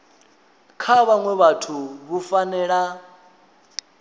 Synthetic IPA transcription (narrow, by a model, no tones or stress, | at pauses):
kʰaβaŋwɛβatʰuβufanɛːɺa